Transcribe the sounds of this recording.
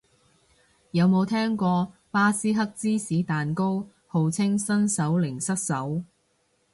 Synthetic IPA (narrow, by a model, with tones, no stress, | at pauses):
jɐ˨˧wmo˨˧wt̪ʰɛː˥ŋkʷɔː˧paː˥siː˥ɦɐ˥k̚t͡siː˥siː˨˥t̪aː˨nko˥w | ho˨˧wt͡sʰɪ˥ŋsɐ˥nsɐ˨˥wlɪ˨˩ŋsɐ˥t̚sɐ˨˥w